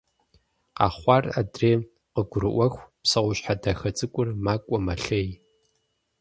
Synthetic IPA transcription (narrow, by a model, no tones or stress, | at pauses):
qɑ̰ːχʷɑradreː | qəɡʷʊɾɨʔʷɐxʷpsɐʁʷʊɕħadaxɐt͡sʼɨkʷʼʊrmaːkʷʼɔmɐɬeːj